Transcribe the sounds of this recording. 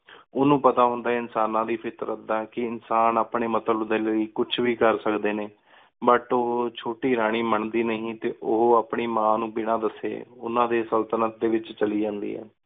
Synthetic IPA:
ʊnũːpət̪aːɦʊ̃nd̪aːɪnsaːnãːd̪iːpʰɪt̪ɾəd̪aːkɪɪnsaːnaːpɳeːmət̪əld̪eːləiːkʊt͡ʃʰʋiːkəɾsəkd̪eːneː | bəʈoɦt͡ʃʰoːʈiːɾaːɽ̃iːməɳd̪iːnəɦĩːt̪eːʔʊɦoːaːpɳiːmãːnũːbɪɽ̃ãːd̪əsḛːʊnãːd̪eːsəlt̪ənət̪̚d̪eːʋɪt͡ʃt͡ʃəliːd͡ʒãːnd̪ḭːɦɛ̰ː

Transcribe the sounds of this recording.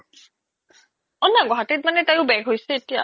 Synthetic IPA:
ɔnːaɡɔɦatit̚manɛtajʊbɛɡʱɦojsɛetija̰

